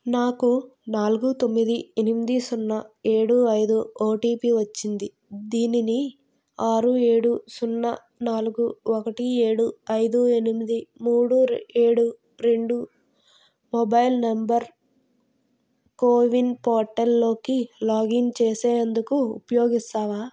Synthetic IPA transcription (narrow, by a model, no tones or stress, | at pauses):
naːkunaːluɡut̪o̞mːid̪ienimid̪isunːɐeːɽuɐjd̪uoːʈiːpiʋɐt͡ʃːind̪i | d̪iːnini | aːɾue̞ːɽusunːɐ | naːluɡuɔkɐʈie̞ːɽuɐjd̪uenimid̪imuːɽueːɽu | ɾe̞ɳɖu | mobɐjlnɐmbɐɾ | koːʋinpoːɾʈɐlːo̞ːkilaːɡint͡ʃeːseːɐnd̪ukṵːpɐjo̞ːɡist̪aːʋaː